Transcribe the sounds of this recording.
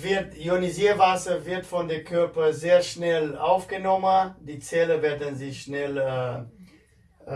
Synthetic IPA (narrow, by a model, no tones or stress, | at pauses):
vɪɐtjoniziːvasɐvɪɐtfɔndeːɐkʰœɐpɐzeːɐʃnɛlaʊfɡ̥ənɔməndiːt͡sɛləvɛːɐdn̩zɪʃnɛlə